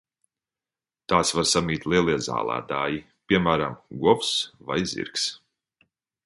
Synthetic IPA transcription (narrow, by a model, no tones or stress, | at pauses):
t̪aːsvaɾsamiːt̪ʲlˠiɛlˠiɛza̰ːlˠa̰ːd̪aːji | pʲiɛmæːɾamɡɔɔfsvajzḭɾks